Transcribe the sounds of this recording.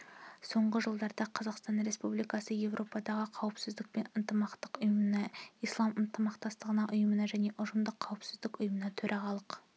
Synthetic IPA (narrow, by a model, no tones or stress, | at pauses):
so̞ɴʁəʒəlˠd̪ɑɾd̪ɑqʰɑzɑqst̪ɑnɾe̞spublijkɑsəje̞vrʔo̞pɑd̪ɑʁəqʰɑwəpsɪzd̪ɪk̚pe̞nənt̪əmɑqt̪əqʊjəmənɑijslˠɑmənt̪əmɑqt̪ɑst̪əʁənɑʔʊjəmənɑʒæne̞ʔʊʒəmd̪əqʰːɑwəpsɪzd̪ɪkʊjəmənɑt̪ʰɵɾʔæʁɑlˠəq